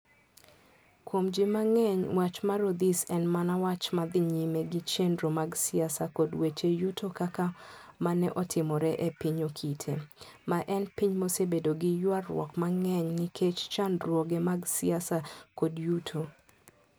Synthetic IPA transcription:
kwomd͡ʒɪmaŋɛɲwat͡ʃmaɾod̪isɛnmanawat͡ʃmad̪ɪɲimɛɡɪt͡ʃendɾomaɡsɪasakodwet͡ʃejutʰokakamanɛʔɔtʰɪmɔɾɛʔɛpiɲokʰitʰemaʔɛnpiɲmosebedoɡɪjwarw̰ɔ̰kmaŋɛɲnɪkʰet͡ʃt͡ʃandɾwoɡemaɡsɪasakodjutʰo

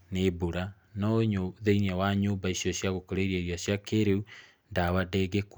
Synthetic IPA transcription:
neboɾa | nɔɲoðeiniawaɲoːmbaisiɔsjaɣokoɾeɾieɾiasjakeɾeu | ndaβadeɣek

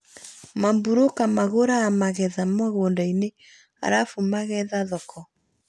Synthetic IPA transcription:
mambuɾokamaɣoɾaːmaɣɛðamɔɣoːndaine | a̰ɾafumaɣɛðaðɔkʰɔ

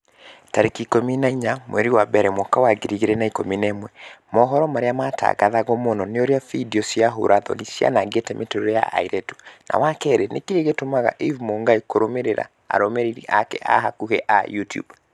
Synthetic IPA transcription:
taɾekikominaiɲamwɛɾiwabɛɾɛmwɔkawaɡeɾiɣeɾɛnaikominɛmwɛmɔɦɔɾɔmaɾeamata̰ɣaðaɣɔmonɔneoɾeafidiɔsiaɦo̰ɾaðɔ̰nisia̰naɡetɛmʔetoɾeja̰ʔa̰iɾɛto̥na̰wakɛɾenekeeɣetomaɣa̰ʔivmoŋɡaikoɾomeɾeɾa̰ | a̰ɾɔmeɾiɾḭʔakɛ̰ʔa̰ɦakuhɛʔajutjṵb

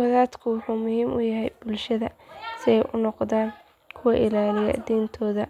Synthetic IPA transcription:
ɐðaːd̪kʰʊwʊħuːmʊhiːmʔʊjɐɦɛjb̥ʊlʃɐðɐsɪɛjʔʊnɔqðaːn | kʰʊwɐʔɪlaːlɪjɐ̰d̪iːnt̪ʰɔːðɐ

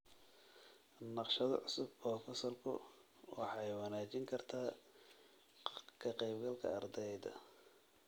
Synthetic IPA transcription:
nɑqʃɐðɐ̰ʕʊsʊbːrɔːfɛsɔrkʰʊ̰ | wɑħɑjwɑnaːt͡ʃɪŋkʰɐrt̪ʰaː | kʰɐqɛjbɡɐlkʰɐ̰ɐ̰rd̪ɛjðɐ̰

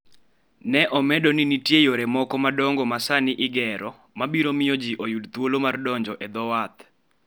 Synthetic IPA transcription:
nɛʔɔmɛdonɪnitjejoɾɛmɔkɔmadɔŋɡɔmasanɪʔɪɡɛɾɔ | mabiɾomɪjɔd͡ʒiʔojudt̪wolomardɔɲd͡ʒɔʔɛd̪ɔwat̪

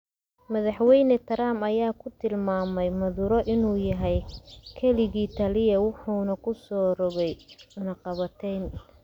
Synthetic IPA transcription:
mɐðɑħwɛjnɛt̪ʰɐɾaːmɐjaːkʰʊt̪ʰɪlmaːmɛjmɐðuːɾɔʔɪnuːjɐɦɛjkʰɛlɪɣiːt̪ʰɐlɪjɐwʊħuːnɐkʰʊsɔːrɔβɛjʊnɐqɑβɐt̪ʰɛjn

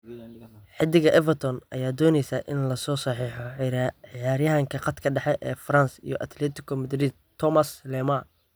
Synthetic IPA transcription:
ħɪd̪ɪɣɐʔɛvɐrt̪ʰɔnʔɐ̰jaːd̪ɔːnɛjsaʔɪnlɐsɔːsɐħiːħɔʕɾʕɪjaːɾjɐɦɐŋkʰɐqɑd̪kʰɐɖɑħɛʔɛːfrɐnsḭjɔʔɐt̪ʰlɛt̪ʰɪkʰɔmɐd̪ɾiːd̪̚t̪ʰːɔmɐslɛːmɐ

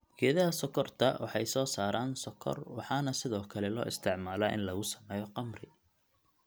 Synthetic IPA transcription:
ɡʰɛːðɐɦɐsɔkʰɔrt̪ʰɐwɑ̰ħɑjsɔːsaːɾaːnsɔkʰɔ̰rwɑħɑːnɐsɪðɔːkʰɐlɛlɔ̰ːʔɪst̪ʰɪʕmaːlaːʔɪ̰nlɐɣʊsɐ̥mɛːjɔqɑmrɪ

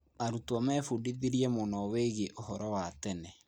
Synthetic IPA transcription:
aɾutwamɛːfudiðiɾiɛmonɔweɣeʔohɔɾɔwatɛnɛ

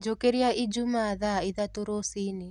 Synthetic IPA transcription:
d͡ʒokeɾiaʔid͡ʒumaðaiðatoɾosini

